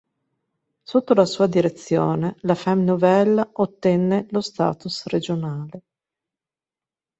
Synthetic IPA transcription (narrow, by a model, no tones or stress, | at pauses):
sot̪ːolasuːad̪iɾet̪sːjoːnelafɛmnovɛlːot̪ːɛnːelost̪a̰ːt̪usred͡ʒonaːle